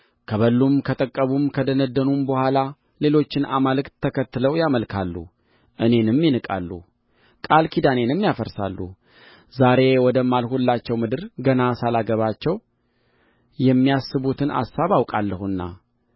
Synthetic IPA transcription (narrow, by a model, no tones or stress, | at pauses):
kʰəβəlːumkʰət̪ʼəkʼːəβumkʰəd̪ənəd̪ːənumbəhʷala | le̞lo̞t͡ʃːɪnʔamalɨkt̪ʰːəkʰət̪ːɨləwjaməlkʰa̰lːṵ | ʔɨne̞nɨmjɪnɨkʼa̰lːṵ | kʼalkʰid̪ane̞nɨmːjafəɾsa̰lːṵ | zaɾe̞wɔd̪əmːalhulːat͡ʃːɛwmɨd̪ɨɾɡənasalaɡəβat͡ʃːɛw | jɛmːiasːɨβut̪ʰɨna̰sːaβawkʼalːəhuɨnːa̰